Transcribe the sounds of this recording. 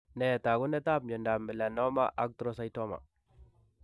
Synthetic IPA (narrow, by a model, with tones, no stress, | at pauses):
nɛ˨ta˨ɡu˦nɛ˦ta˦˨pɲɔ˨nda˨mi˨la˨nɔ˦ma̰˦ʔa̰˦k̚tɾo˦sa˦jto˦ma̰˨